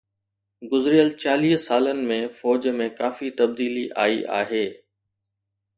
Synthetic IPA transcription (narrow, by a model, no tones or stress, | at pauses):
ɡʊzɾijəlt͡ɕaːliːɦsaːlənɪ̆mẽfɔːd͡ʑmẽkaːfit̪ɐb̚d̪iːliʔa̰ːiʔa̰ːɦeː